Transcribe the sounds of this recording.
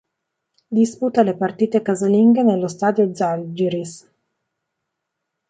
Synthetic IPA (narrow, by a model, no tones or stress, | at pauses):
d̪isput̪alepart̪iːt̪ekazaliŋɡanelːost̪aːd̪jod̪zald͡ʒiɾis